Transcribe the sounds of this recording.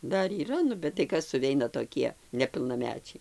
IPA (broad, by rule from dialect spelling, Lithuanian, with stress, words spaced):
ˈdɐr iːˈrɐ nʊ bʲɛt tɐɪ ˈkɐs sʊˈʋʲɛɪnɐ toːˈkʲiɛ nʲɛpʲɪlˠnɐˈmʲæːt͡ʃʲɛɪ